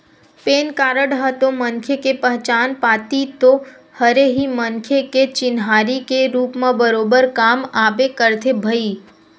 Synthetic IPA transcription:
peːnkaːɾəɽɦət̪õmənkʰjekepəɦt͡ʃaːnpaːt̪it̪o | həɾeɦimənkʰjeket͡ʃɪnɦaːɾikeɾuːpmãbəɾoːbəɾkaːmaːbekəɾt̪ʰebʱəi

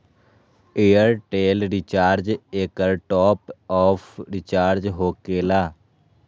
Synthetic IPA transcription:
eːjəɾʈeːlɾɪt͡ʃaːɾd͡ʒeːkəɾʈɔːpɔːpʰɾɪt͡ʃaːɾd͡ʒɦoːkeːlaː

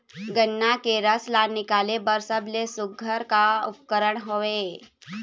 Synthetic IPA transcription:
ɡənːakeɾəslaɾnɪkalebəɾsəblesuɡʱːəɾkaup̚kəɾəɳɦoʋe

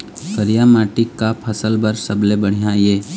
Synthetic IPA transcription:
kəɾijamaːʈɪkːapʰəsəlbəɾsəblebəɽ̤ijajeː

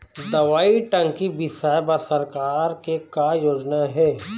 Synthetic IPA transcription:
d̪ɐʋaːiʈɐ̃ŋkibɪsaːjbasɐɾkaːɾkekajoːd͡ʒnaɦɛː

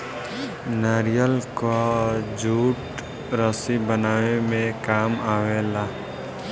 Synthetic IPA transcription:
nəɾijəlkod͡ʒuːʈ | ɾəsibənaːemẽkaːmaːwelaː

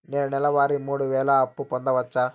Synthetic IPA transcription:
neːnunɛlɐʋaːɾimuːɽuʋɛːlɐɐpːupond̪ɐʋɐt͡ʃːa

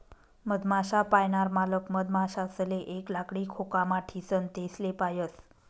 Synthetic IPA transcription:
məd̪maɕapajɳaɾmaləkməd̪maɕasəleʔeklakɽikʰokamaʈʰisənt̪eslepajəs

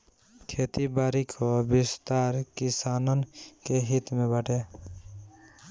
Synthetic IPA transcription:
kʰet̪ibaːɾikʰobɪst̪aɾkɪsaːnənkeɦit̪mẽbəʈʰe

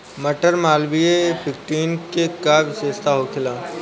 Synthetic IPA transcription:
mɐʈəɾmaːlbiepʰɪkʈiːnkekaʋɪseːst̪ʰaɦokʰɪlaː

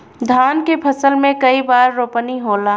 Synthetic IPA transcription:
d̪ʱaːnkepʰɐsəlmẽkɐibaːɾːoːpəniɦoːlaː

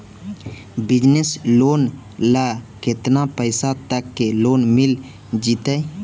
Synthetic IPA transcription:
bɪd͡ʒnesloːn | lakɪt̪napəɪsat̪əkːeloːnmɪl | d͡ʒit̪ə

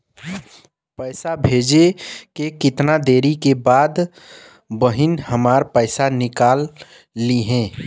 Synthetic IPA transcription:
pəɪsabʱeːd͡ʒekekɪt̪nad̪eːɾikebaːd̪ | bəɦɪnhəmaːɾpəɪsanɪkaːlː | iɦɛ̃ː

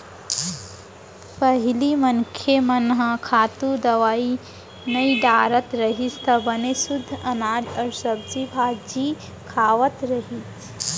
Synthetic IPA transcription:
pɐɦɪlimɐnkʰemɐnɦəkʰaːt̪ud̪ɐʋaːi | nɐiɖaːɾət̪ɾɐɦist̪ɐbɐnesʊd̪ʱːɐnaːɖɔɾsɐbd͡ʒibʱaːd͡ʒi | kʰaːʋət̪ɾɐɦit̪

